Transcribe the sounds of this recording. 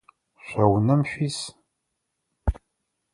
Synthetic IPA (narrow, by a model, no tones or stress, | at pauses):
ʃæwənæmfis